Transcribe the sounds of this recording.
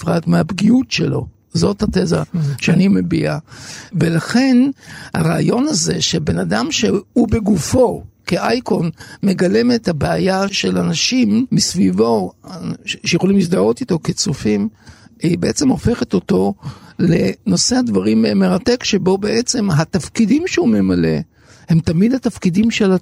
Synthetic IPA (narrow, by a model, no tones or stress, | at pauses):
fʁatmeabɡiutʃelo̞̰ | zo̞thateza̰ʃeanimebḭavelaχe̞nha̰ʁaːjo̞naze̞ʃebe̞nadamʃehube̞ɡufo̞keʔajkonme̞ɡale̞methabeajaʃe̞lanaʃimːisvivo̞ | ʃejeo̞limlisd̪ao̞t̪ito̞ket͡sufimibeʔet͡semo̞fe̞χet̪o̞t̪o̞le̞no̞seadvaʁimme̞ʁate̞kʃe̞bo̞be̞ʔet͡se̞mɦat̪afkidimʃeume̞male̞̰ | he̞mt̪amidhat̪afkidimʃe̞la